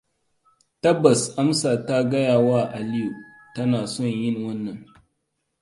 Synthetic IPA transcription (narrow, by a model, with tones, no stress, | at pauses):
tɐ˦bːɐ˨sʔa˦msaː˨ta˦ɡɐ˦jaː˨waː˦˨ʔa˨lɪ˦ju˨ʔ | tɐ˦naː˨sɔ˦˨ɲjɪ˦˨ŋwɐ˦nːɐ˨ŋ